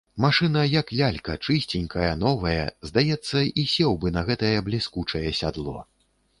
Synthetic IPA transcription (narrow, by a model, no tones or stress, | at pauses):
maʂɨnɐjɐklʲalʲkɐt͡ʂɨsʲt͡sʲinʲkʰɐjɐnɔvɐjɛ̰zd̪ajɛt̪sːɐisʲɛwbɨnɐɣɛt̪ɐjɛblʲiskut͡ʂɐjɛsʲad̪lˠɔ̰